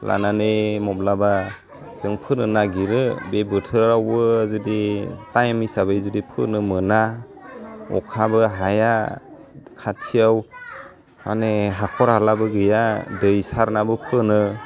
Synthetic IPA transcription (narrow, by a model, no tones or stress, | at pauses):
la̰nanemɔblaba | z̥ɯŋpʰɯnɯnaɡiɾɯbebɯtʰɯɾɾawbɯzuditajmijsabɯjzudipʰɯ̰nɯmɯna | ɔ̰kʰabɯɦaja | kʰatʰijaw | a̰neɦakʰɔɾalabɯɡɯjadɯjsaɾnabɯpʰɯnɯ